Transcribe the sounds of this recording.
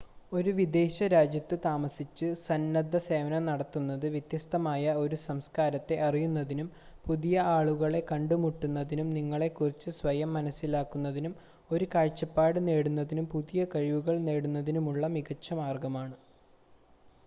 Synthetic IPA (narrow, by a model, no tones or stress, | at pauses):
o̞ɾuʋid̪e̞ːɕɐɾaːd͡ʑjɐt̪ːɨt̪aːmɐsit͡ɕːɨsɐnːɐd̪ʱːɐse̞ːʋɐnɐnɐɽɐt̪ːunːɐðɨʋjɐt̪jɐst̪ɐmaːjɐo̞ɾusɐmskaːɾɐt̪ːe̞ʔɐrijunːɐðinum | puðijɐaːɭuɣɐɭe̞kɐɳɖumuʈːunːɐðinumniŋːɐɭe̞kːurit͡ɕːɨsʋɐjɐmːɐnɐsːilaːkːunːɐðinum | o̞ɾukaːɻt͡ɕːɐpːaːɽɨneːɽunːɐðinumpuðijɐkɐɻiʋuɣɐɭne̞ːɽunːɐðinumuɭːɐmiɣɐt͡ɕːɐmaːrɡɐmaːɳɨ